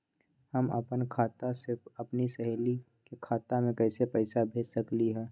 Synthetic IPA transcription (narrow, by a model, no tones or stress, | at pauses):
həmə̰pənkʰaːt̪aseɐpnisɐɦeːli | kekʰaːt̪amẽkɛɪsepɛːɪsabʱeːd͡ʒsɐkliɦɛː